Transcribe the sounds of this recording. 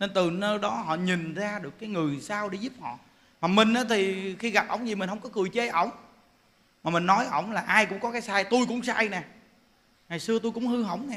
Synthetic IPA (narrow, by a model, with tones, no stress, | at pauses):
ne˧nt̪ɨ˨˩nəː˧ɗɔ˨˦ɦɔ̰˧˨ɲi˨˩nzaː˧ɗɨ˨˩əkːaː˨˦jŋɨ˨˩əjsaː˧wɗe˧˦zu˦˥p̚hɔ̰˧˨ | maː˨˩mï˨˩ŋ̟ʔaː˨˦t̪ʰi˨˩xi˧ɣa˨˩p̚ʔə˧˩wŋ͡mzi˨˩mï˨˩ŋ̟hə˧wŋ͡mkɔ˨˦kɨ˨˩jt͡ɕe˧˦ʔə˧˩wŋ͡m | maː˨˩mï˨˩ŋ̟nɔ˨˦jʔə̰˧˩wŋ͡mlaː˨˩ʔaː˧jkʊ̰˧˥ŋ͡mkɔ˨˦kaː˨˦jsaː˧jt̪u˧jkʊ̰˧˥ŋ͡msaː˧jnɛ˨˩ | ŋa˨˩jsɨ˧ət̪u˧jkʊ̰˧˥ŋ͡mhɨ˧ɦə̰˧˩wŋ͡mnɛ˨˩